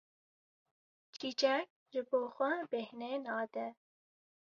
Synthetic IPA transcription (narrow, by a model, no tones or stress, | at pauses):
t͡ʃʰit͡ʃɛk̚ | ʒɨboːxʷɛbehnenɑːd̪ɛ